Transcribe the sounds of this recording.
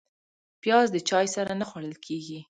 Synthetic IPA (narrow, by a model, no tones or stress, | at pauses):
pjɑzd̪ət͡ʃɑjsaɾanaxwaɽəlkʰeɡi